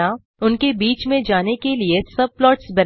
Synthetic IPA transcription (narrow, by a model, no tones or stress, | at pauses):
a | ʊnkebiːt͡ʃmẽd͡ʒaːnekeliesɐb̚plɔːʈsbɐɾ